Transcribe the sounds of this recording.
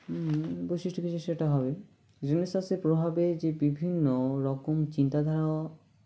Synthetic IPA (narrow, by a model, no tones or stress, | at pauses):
bojsiʃʈokit͡ɕʰeʃeʈaɦɔbe | ɾenesaseɾpɾobʱabed͡ʑebibʱinːoɾɔkomt͡ɕint̪ad̪ʱaɾaoa